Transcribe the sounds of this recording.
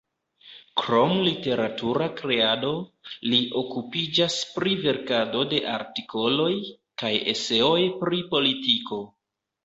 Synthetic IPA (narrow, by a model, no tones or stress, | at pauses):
kɾo̞mlite̞ɾatuɾakɾe̞ado̞liʔo̞kupid͡ʒaspɾive̞ɾkado̞de̞ʔa̰ɾtikʰo̞lo̞j | kaje̞̰se̞o̞jpɾipo̞litiko̞